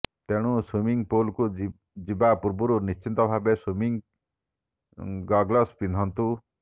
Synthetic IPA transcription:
t̪eɽ̃uswimiŋpolku | d͡ʒibapuɾbuɾunist͡ʃint̪ɔbʱabeswumiŋ | ɡɔɡlɔspinʱɔnt̪u

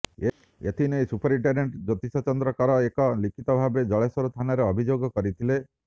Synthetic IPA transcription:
e | et̪ʰinesupɔɾiɳʈeɾeɳʈd͡ʒɔt̪isɔt͡ʃɔnd̪ɾɔkaɾɔekɔlikʰit̪ɔbʱabed͡ʒɔɭesɔɾut̪ʰanaɾeɔbʱid͡ʒoɡɔkɔɾit̪ʰile

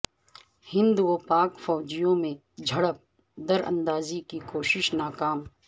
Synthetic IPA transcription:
hɪ̃nd̪opaːkfɔːd͡ʒijõmẽ | d͡ʒʱɐɽəp̚ | d̪ɐɾə̰̃nd̪aːzikikoːʃɪʃnaːkaːm

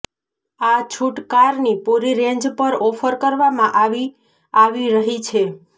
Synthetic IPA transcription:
at͡ʃʰuʈkaɾnipuɾiɾẽɲd͡ʒpəɾɔfəɾkəɾʋamãʔaʋi | aʋiɾəɦit͡ʃʰe

